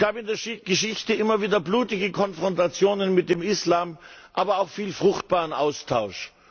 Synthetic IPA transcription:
ɡ̥aːpɪndeːɐʃɪɡ̥əʃɪçtəʔɪmɐviːdɐbluːtɪɡəkʰɔnfʁ̥ɔntat͡sjoːnənmɪt̚d̥eːmɪslaːmʔaːbɐaʊxfiːlfʁ̥ʊxt̚b̥aːʁənʔaʊstʰaʊʃ

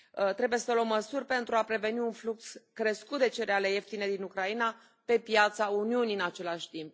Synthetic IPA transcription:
ət̪ɾe̞buje̞səlwəmːəsurʲpe̞nt̪ɾuapɾe̞ve̞niunflukskɾeskut̪d̪e̞t͡ʃe̞ɾeale̞je̞ft̪ine̞d̪inukɾaina | pe̞pjat̪sauniuniɨnat͡ʃe̞laʃʲt̪imp̚

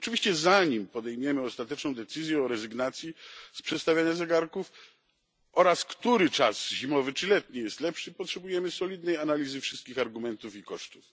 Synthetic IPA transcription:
ɔt͡ʂɨvʲiɕt͡ɕɛzaɲimpɔd̪ɛjmujɛmɘɔst̪at̪ɛt͡ʂnɔ̃w̃d̪ɛt̪sɘzʲjɛɔɾɛzɘɡnat̪sʲjispʂɛt̪st̪avʲjaɲazɛɡaɾkuf | ʔɔɾaskt̪uɾɘt͡ʂasʑimɔvɘt͡ʂɘlɛt̪ɲijɛst̪lɛpʂɘipɔtʂɛbujɛmɘsɔlʲid̪nɛjanalʲizɘfʂɘ̥st̪̚kʲixaɾɡumɛnt̪ufikɔʂt̪u̥f

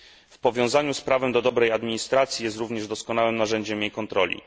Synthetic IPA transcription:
fpɔvʲjɔ̃w̃zaɲuspɾavɛmd̪ɔd̪ɔbɾɛjad̪mʲiɲist̪ɾat̪sʲjijɛst̪ɾuvɲɛʐd̪ɔskɔnawɘmnaʐɛɲd͡ʑɛmjejkɔnt̪ɾɔlʲḭ

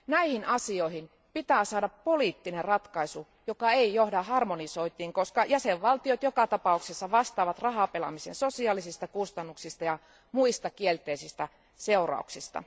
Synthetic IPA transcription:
næihinɑsioihin | pit̪æːsɑːdɑpːoliːt̪ːinerrɑt̪kɑisu | jokɑeijohdɑhɑrmonisoit̪iːŋkoskɑjæseʋʋɑlt̪iot̪jokɑt̪ɑpɑuksesːɑʋɑst̪ɑːʋɑt̪rɑɦɑpelɑ̰misḛnsosiɑːlisist̪ɑkust̪ɑnːuksist̪ɑjɑ | muist̪ɑkielt̪eisist̪æ | seurɑ̰ˑṵksist̪ɑ̰

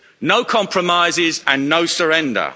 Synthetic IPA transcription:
nəʊkʰɒ̃mpʰɹəmaɪzɪzə̃nːəʊsəɹɛ̃ndə̰

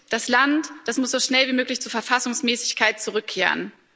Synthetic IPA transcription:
d̥aslantd̥asmʊsz̥oːʃnɛlviːmøːklɪçt͡suːɐfɛɐfasʊŋsmɛːsɪçkʰaɪt̚t͡suʁʏkʰːeːʁə̰n

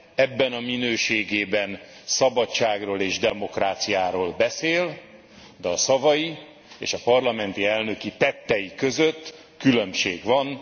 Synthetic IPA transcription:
ɛbːɛnɒminøːʃeːɡeːbɛnsɒbɒt͡ʃaːɡroːleːʒd̪ɛmo̞kraːt̪sijaːɾoːlbɛseːl | d̪ɛɒsɒvɒji | ḛːʃɒpɒrlɒmɛnt̪iɛlnø̞kit̪ɛt̪ːɛjikø̞zøt̪ː | kylø̞mʃeːɡʋɒn

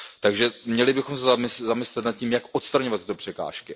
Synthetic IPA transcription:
t̪aɡʒɛmɲɛlɪbɪxo̞msɛzɪszamɪslɛt̪nat̪̚cimjakʔot̪st̪ɾaɲovat̪ːɪt̪o̞pr̝̥ɛka̰ːʃkɪ

